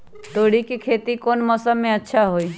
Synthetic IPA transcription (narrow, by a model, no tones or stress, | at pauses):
t̪oːɽikikʰeːt̪ikoːnmɔsəmẽətːʃʰaɦoːiː